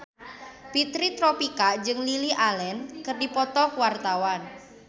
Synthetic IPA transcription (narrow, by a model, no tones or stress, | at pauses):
pit̪ɾit̪ɾopikad͡ʒɨŋliliʔalɛnkərdipɔt̪ɔkuwart̪awan